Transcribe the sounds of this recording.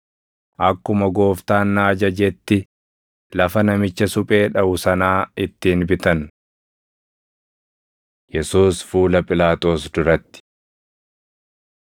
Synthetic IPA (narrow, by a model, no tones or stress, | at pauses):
ʔɐkːʊmɐɡo̞ːft̪aːnːaːd͡ʒɐd͡ʒɛt̪ːɪ | lɐfɐnɐmɪt͡ʃːɐsʊpʼe̞ːᶑɐʔʊsɐnaːɪt̪ːɪːnbɪt̪ɐn | jɛsuːsfuːlɐpʼɪlaːt̪ʼo̞ːsd̪ʊɾɐt̪ːɪ̥